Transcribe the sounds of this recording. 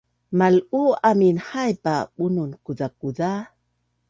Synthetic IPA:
maluaminhajpaɓununkudakuda

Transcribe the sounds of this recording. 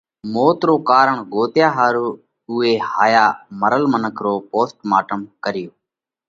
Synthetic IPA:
moːt̪ɾoːkaːɾəɳɡoːt̪jaːɦaːɾuː | ʊːeːhaːjaːməɾəlmənəkʰɾoːpoːsʈmaːʈəmkəɾɪjoː

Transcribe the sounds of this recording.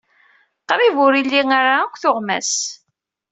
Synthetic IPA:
qɾivʊɾilːiŋaɾaækʷːθʊʁmæ̰s

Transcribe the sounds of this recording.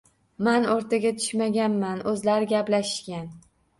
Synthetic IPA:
manoɾt̪ʰaɡʲat̪ʰʊ̥ʃmaɡʲanmanɵzlaɾɪɡʲaplaʃɪ̥ʃkʲan

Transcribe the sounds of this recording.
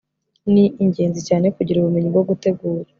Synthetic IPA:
niʔiɲɟe̞ːnzicaːne̞kuɟiɾuβumeɲibɡoɡute̞ɡuːɾa

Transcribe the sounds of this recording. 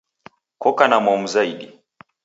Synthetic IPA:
kɔkanamɔmuzaiɗi

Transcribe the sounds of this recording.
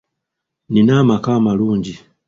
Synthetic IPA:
ninamakamaluːɲɟi

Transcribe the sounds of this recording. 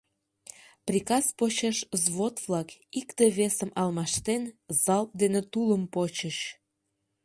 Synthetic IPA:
prʲikɑspot͡ɕeʃzβot̪vlɑkikt̪əβesəmɑlmɑʃt̪enzɑlp̪̚d̪enet̪uləmpot͡ɕəɕ

